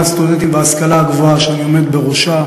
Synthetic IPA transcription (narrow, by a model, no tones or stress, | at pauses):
ast̪ud̪ent̪imveaskalaːɡvoaʃeanio̞me̞d̪be̞ʁoʃa